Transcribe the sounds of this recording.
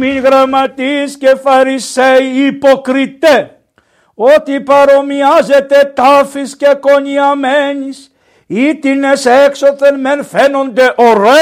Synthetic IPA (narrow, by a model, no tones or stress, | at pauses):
minɣɾamɐt̪iscefaɾiseiipokɾit̪e | ot̪ipaɾomiazet̪et̪afiscekoɲiameɲis | it̪ineseksot̪enmenfenond̪eʔoɾe